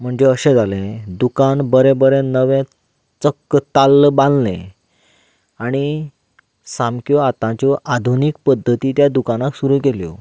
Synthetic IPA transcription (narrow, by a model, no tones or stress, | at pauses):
m̤əɳd͡zeəɕẽd͡zalẽd̪ukanbəɾẽbəɾẽnəʋɛ̃ | t͡səkːət̪alːbãllḛ̃ | aɽ̃i | sãmkjɔat̪ãt͡ɕjɔʔad̪ʱunik̚pəd̪ʱːət̪iːt̪jad̪ukanãksuɾuːkeljɔ̰